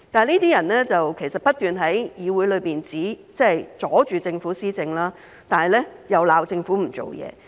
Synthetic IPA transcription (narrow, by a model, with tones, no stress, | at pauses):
tt̪aː˨˧niː˥t̪iː˥jɐ˨˩nlɛː˥t͡sɐ˨wkʰe˨˩jsɐ˨t̚pɐ˥t̪yː˨nɦɐ˨˥jjiː˨˧wu˨˥jlɵ˨˧jpiː˨nt͡siː˨˥ | t͡sɛ˥˨jt͡sɔː˨˥t͡ʃyː˨t͡sɪ˧ŋfuː˨˥siː˥t͡sɪ˧ŋlaː˥ | t̪aː˨nɦɐ˨˩jlɛ˥jɐ˨˧wlaː˨˧wt͡sɪ˧ŋfuː˨˥m̩˨˩t͡so̰˨wjɛ̰ː˨˧